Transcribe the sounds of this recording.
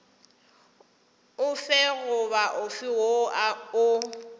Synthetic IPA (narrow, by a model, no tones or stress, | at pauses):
ʊfɛɣʊβaʔʊfɪwoaʊ